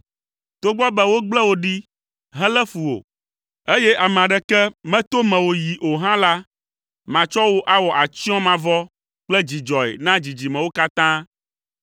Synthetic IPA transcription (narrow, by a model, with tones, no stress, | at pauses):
t̪o˦ɡ͡bɔ˦bɛ˦wo˦ɡ͡blɛ˦wo˦ɖi˦ | ɦɛ̃˦lɛ˦fu˨wo̰˨ | e˦jɛ˦ʔa˨m̃˨ã˨ɖɛ˨kɛ˦mɛ̃˦t̪o˦mɛ̃˨wo˨ji˨ʔo˨ɦã˦la˦ | mã˨t͡ʃɔ˦wo˦ʔa˦wɔ˨ʔa˨t͡ʃi˦ɔ̃˦mã˨vɔ˦ | k͡plɛ˦d͡ʑi˨d͡ʒɔ˨ḛ˨nã˦d͡ʑi˨d͡ʑi˨mɛ̃˨wo˦ka˦t̪ã˦